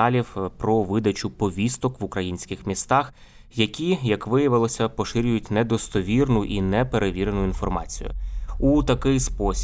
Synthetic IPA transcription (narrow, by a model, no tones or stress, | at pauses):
ɑlʲiwpɾɔʋɪd̪ɐt͡ʃʊpɔʋʲist̪ɔkʋʊkɾɐjinʲsʲkʲɪxmʲist̪ɑx | jɐkʲijɐkʋɪjɐʋɪlˠɔsʲɐpɔʃɪɾʲʊjʊtʲnɛd̪ɔst̪ɔʋʲirnʊʔinɛpeɾeʋʲiɾenʊinfɔrmɑ̰t͡sʲḭjʊ̰ut̪ɐkɪjspɔsʲ